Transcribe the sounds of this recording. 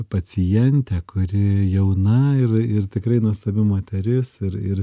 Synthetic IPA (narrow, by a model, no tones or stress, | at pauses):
pɐt͡sʲɪjɛnʲt̪ʲɛːkʊɾʲɪjɛʊnɐɪrɪrt̪ʲɪkɾɐɪnuɔst̪ɐbʲɪmoːt̪ʲɛɾʲɪsɪɾɪr